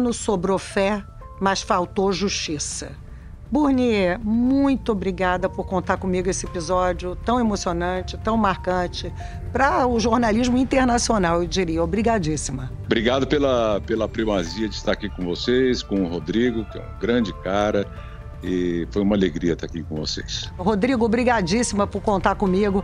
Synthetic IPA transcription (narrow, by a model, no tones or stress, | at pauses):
nʊsobɾofɛ | mɐsfawt̪oʒuʃt͡ʃisɐ | buɾnimũj̃t̪ʊobɾiɡad̪ɐpoɾkõnt̪aɾkõmiɡʊesɪepizɔd͡ʒjʊt̪ɐ̃w̃emosionɐ̃t͡ʃɪt̪ɐ̃w̃maɾkɐ̃t͡ʃɪ | pɾɐʊʒoɾnaliʒmʊĩnt̪eɾnasionawewd͡ʒiɾiɐobɾiɡad͡ʒisimɐ | bɾiɡad̪ɐpelɐpelɐpɾimaziɐd͡ʒɪ̥st̪aɾakikõvosejskõɦod̪ɾiɡʊkɪɛ̰ṵ̃ɡɾɐ̃d͡ʒɪkaɾɐ | ɪfojũmɐaleɡɾiɐt̪aakikõvo̰sḛjsɦod̪ɾiɡʊobɾiɡad͡ʒisimɐpʊɾkõnt̪aɾkõmiɡʊ